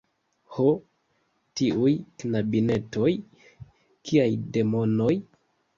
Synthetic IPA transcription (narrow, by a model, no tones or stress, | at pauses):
ho | tiujknabine̞to̞j | kʰiajde̞mo̞no̞j